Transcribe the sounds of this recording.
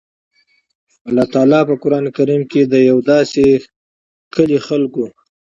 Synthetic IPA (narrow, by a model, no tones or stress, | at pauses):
alɑt̪ɑlɑpəkʊɾɑnekaɾimked̪əjawd̪ɑse | kəlixalko